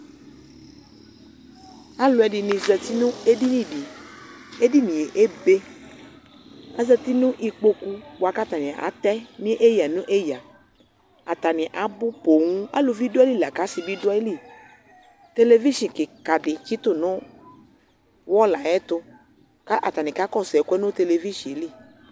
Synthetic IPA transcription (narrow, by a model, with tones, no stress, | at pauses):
a˦lʊ˨ɛ˨ɖi˨nĩ˨zɛ˨t̪i˦nũ˦e˦di˦nĩ˦bi˨ | e˦di˦nĩ˨e˨ʔe˦be˦ | a˦zə˧t̪i˦nũ˦ʔi˨k͡po˦ku˦wa˨ka˦t̪a˨nĩ˨ʔa̰˨˦t̪ɛ˦nĩ˦ʔe˦ja˨nũ˦ʔe˦ja˨ | a˨t̪a˨nĩ˨ʔa˨˦bʊ˦po˨ŋũ˦a̰˦lo˧vi˦dli˦˨la˨ka˨˦si˧bi˦dʊ˦e˦li˦˨ | t̪e˧le˧vi˦ʃĩ˨kɪ˨ka˨dɪ˨t͡ʃi˦t̪ʊ˦˨nʊ̃˦ | wɔ˦la˨jɛ˦t̪ʊ˧ | ka˦ʔa̰˨t̪a˨nĩ˨ka˨˦kɔ˦˨sɛ˨ku˦ɛ˦nʊ̃˦t̪e˧le˧vi˦ʃĩ˨e˨˦li˦˨